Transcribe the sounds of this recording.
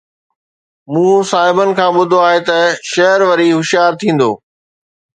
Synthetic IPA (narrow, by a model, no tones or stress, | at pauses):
mũːsaːɦɪbənɪ̆kʰãːɓʊd̪ʱoaːɦet̪ɐʃɐɦəɾʋɐɾiɦʊʃjaːɾt̪ʰĩːn̆d̪oː